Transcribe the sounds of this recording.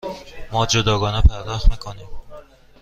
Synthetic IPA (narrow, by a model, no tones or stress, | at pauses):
mɒd͡ʒʊd̪ɒɡɒnapʰaɾd̪ɒhmakʰɒnɪm